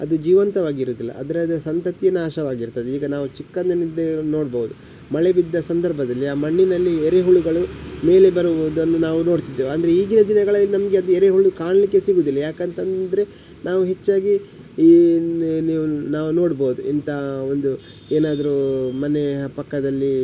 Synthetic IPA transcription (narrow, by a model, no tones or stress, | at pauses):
ɐ̰d̪ud͡ʒiːʋɐnt̪ɐʋaːɡiɾuːd̪ilːɐ̰ɐ̰d̪ɐɾed̪ɐsɐnt̪ɐt̪ijɐnːaːʃɐʋaːɡiɾt̪ɐd̪eiːɡɐnaːʋut͡ʃikːɐnd̪ɐnid̪eno̞ːɽboɦud̪u | mɐɭebid̪ːɐsɐnd̪ɐɾbʱɐd̪ɐlːiaːmɐɳːinɐlːiɛɾeɦuɭuɡɐɭume̞ːle̞bɐɾbod̪uɐnːunaːʋuno̞ːɽt̪id̪ːeːʋɐnd̪ɐɾeiːɡinɐd̪inɐɡɐɭɐlːinɐmɐɡeɐd̪uɛɾeɦuɭukaːɳɐlikːe̞siɡuːd̪ilːɐjaːkɐnt̪ɐnd̪ɐɾe̞ | naːʋuɦet͡ʃːaːɡi | niːʋunaːʋuno̞ːɽboɦud̪uint̪ɐond̪u | eːnaːd̪ɐɾumɐne̞pɐkːɐd̪ɐlːi